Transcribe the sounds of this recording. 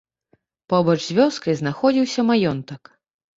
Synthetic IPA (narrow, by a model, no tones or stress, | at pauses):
pɔbɔt͡ʂzʲvʲɔskɐjznaxɔd͡zʲiwsʲɐmajɔnt̪ɐk